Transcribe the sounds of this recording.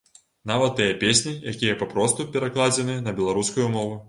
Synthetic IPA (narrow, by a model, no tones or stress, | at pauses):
navɐt̪ːɨjɐpʲesʲnʲijakʲijɐpapɾɔst̪upʲɛɾaklˠad͡zʲɛnɨnɐbʲɛlˠaɾuskujumɔvu